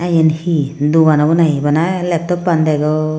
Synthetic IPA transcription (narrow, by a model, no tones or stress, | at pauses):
ajɛnhid̪uwanabɔnajbanalɛp̚tɔpːand̪ɛɡɔ